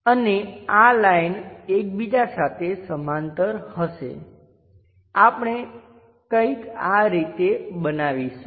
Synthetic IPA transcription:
ənealajnek̚bid͡ʒasat̪ʰesəmant̪əɾhəʃḛ | apɳ̃e | kə̃ikaɾit̪ebənaʋiʃ

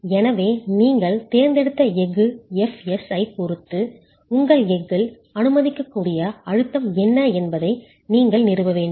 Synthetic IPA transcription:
ɛnɐʋeːniːŋɡɐɭt̪eːɾnd̪ɛɽɯt̪ːɐɛɣɯɛfɛsɐɪpʊɾɯt̪ːɯ | ʊŋɡɐɭɛɡɯl | ɐnɯmɐðɪkːɐkːuːɽɪjɐɐɻɯt̪ːɐmɛnːɐɛnbɐðɐɪ | niːŋɡɐɭnɪɾɯʋɐʋeːɳɖɯ

